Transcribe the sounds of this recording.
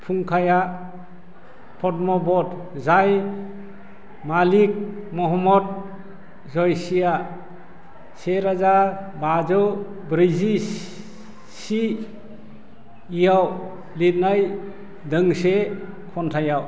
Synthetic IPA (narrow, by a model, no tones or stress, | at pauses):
pʰuŋkʰaja | pʰɔtmɔbɔd | zaj | malik̚mɔɦɔmɔd̚ | zɔjsija | seɾazabad͡ʒɔw | bɾizi | si | ijaw | lit̚naj | dɯŋse | kʰɔntʰajaw